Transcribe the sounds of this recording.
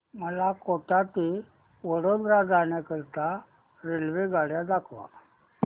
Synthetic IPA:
məlakoʈat̪i | ʋəɽod̪ɾad͡zanjakəɾt̪a | ɾelʋeɡʱaɽjad̪akʰʋa̰

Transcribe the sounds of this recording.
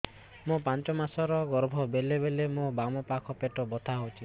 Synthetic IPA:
mũpant͡ʃɔmasɔɾɔɡɔɾbʱɔbelebelemũbamɔpakʰɔpeʈɔbɔt̪ʰaɦowt͡ʃʰi

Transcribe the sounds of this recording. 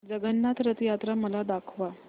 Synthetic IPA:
d͡zəɡənːat̪ɾət̪jat̪ɾaməlad̪akʰʋa

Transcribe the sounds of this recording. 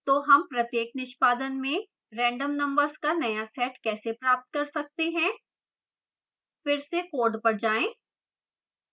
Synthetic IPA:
t̪oːɦɐmpɾɐt̪jeːknɪʃpaːd̪ənmẽ | ɾɛ̃ːɳɖəmnɐ̃mbəɾzkanɐjasɛːʈkɛːsepɾaːp̚t̪̚kɐɾsɐk̚t̪eɦɛ̃ː | fɪɾsekoːɖpɐɾd͡ʒaːẽː

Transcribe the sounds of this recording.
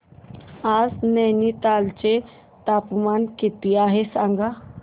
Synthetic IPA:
aːznɛnit̪aːlt͡ʃe | t̪aːpmaːnkit̪iaːɦesãŋɡa

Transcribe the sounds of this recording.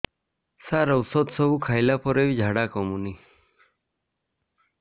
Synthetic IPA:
saɾɔwsɔd̪sɔbukʰajlapɔɾebid͡ʒʱaɽakɔmuni

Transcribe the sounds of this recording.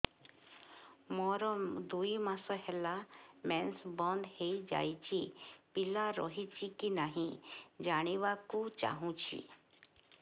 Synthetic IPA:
mɔɾɔmd̪uimasɔɦɛlamɛnsbɔnd̪heid͡ʒa̰jt͡ʃipilaɾɔ̰ɦit͡ʃikinaɦĩd͡ʒaɽ̃iʋakut͡ʃa̰ɦũt͡ʃʰḭ

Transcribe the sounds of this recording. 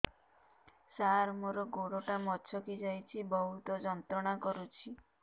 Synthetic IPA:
saɾmoɾɔɡoɽoʈamɔt͡ʃʰɔkid͡ʒajt͡ʃʰibɔɦut̪ɔd͡ʒɔnt̪ɾɔɽ̃akɔɾut͡ʃʰi

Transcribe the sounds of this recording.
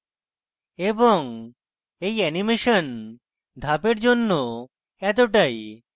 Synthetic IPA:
eboŋ | ejɛnimeʃɔn | d̪ʱapeɾd͡ʑonːo | ɛt̪̬oʈaj

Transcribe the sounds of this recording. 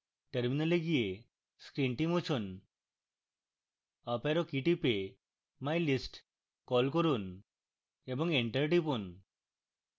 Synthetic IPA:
ʈeɾminaleɡije | skɾiɳʈimut͡ʃʰɔn | apaɾɔkiʈipe | majlisʈ | kɔlkɔɾun | ebɔŋeɳʈəɾʈipun

